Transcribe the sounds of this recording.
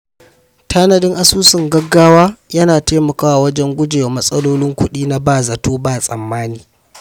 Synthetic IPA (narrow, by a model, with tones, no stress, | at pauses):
tʰaː˦nɐ˨dɪ˦ŋʔa˦˨suː˦sɪ˨ŋɡɐ˦ɡːaː˦waː˦jɐ˦naː˨teː˦mɐ˨kaː˦wa˨wɐ˦d͡ʒɛ˦ŋɡʷʊ˦d͡ʒe˨wa˨mɐ˦sʼɐ˦loː˦lɪ˦ŋkʷʊ˦ɗiː˦na˦baː˦˨zɐ˨toː˦baː˨sʼɐ̰˨mːaː˦niː˨